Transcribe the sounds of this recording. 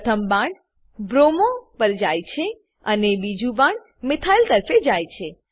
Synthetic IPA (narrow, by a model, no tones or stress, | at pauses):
t̪ʰəmbãɳ | bɾomopəɾd͡ʒajt͡ʃʰe | ənebid͡ʒũbãɳ | mɪt̪ʰailt̪əɾfed͡ʒajt͡ʃʰe